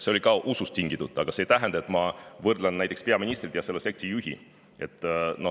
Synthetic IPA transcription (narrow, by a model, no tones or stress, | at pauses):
se̞o̞lʲikɑʔusust̪iŋɡ̥it̪ut̪ˑːɑɡ̥ɑsejt̪æɦend̪̥ɑe̞t̪mɑvɤrd̪lɑnnæjt̪ekspe̞ɑminist̪rit̪jɑse̞lːese̞k̚t̪rijuɦḭ | e̞t̪ˑːno̞